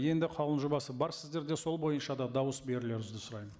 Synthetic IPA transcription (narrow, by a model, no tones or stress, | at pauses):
je̞nd̪ɪqʰɑlˠənʒobɑsəbɑɾsɪzd̪e̞ɾd̪e̞so̞lˠbo̞jənʃɑd̪ɑd̪ɑwəsbe̞ɾɪle̞ɾʏzd̪ɪsʊɾɑjmə